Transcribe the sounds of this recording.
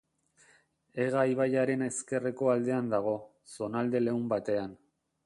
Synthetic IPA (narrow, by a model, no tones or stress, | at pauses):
e̞ɣaiβajaɾe̞ne̞ske̞re̞ko̞ald̪e̞and̪aɣ̞o̞ | so̞nald̪e̞le̞umbat̪e̞an